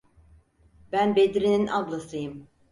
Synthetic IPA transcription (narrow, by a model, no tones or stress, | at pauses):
bænbed̪ɾininʔaɡlˠasɯjɯm